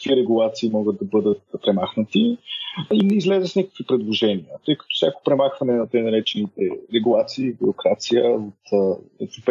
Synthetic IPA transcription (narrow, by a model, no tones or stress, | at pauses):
kiɾɛɡulˠat̪siːmɔɡət̪̚d̪ɐbɤd̪ət̪pɾɛmaxnət̪i | inɛizlɛzəsnʲakəkvipɾɛd̪lˠoʒɛniət̪ɤjkɐ̥t̪ɔ̥fsʲako̥pɾɛmaxvɐnɛnɐt̪əjnɐɾɛt͡ʃɛnit̪ɛɾɛɡulˠat̪siiːbʲiɾokɾat̪sijəot̪ɛ̰vɾop